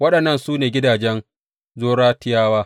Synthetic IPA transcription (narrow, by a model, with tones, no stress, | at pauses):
wɐ˦ɗɐ˨nːɐ˦˨nsuː˦neː˨ɡʲɪ˦daː˨d͡ʒɛ˦n | zoː˦ɽaː˦tɪ˦jaː˦waː˦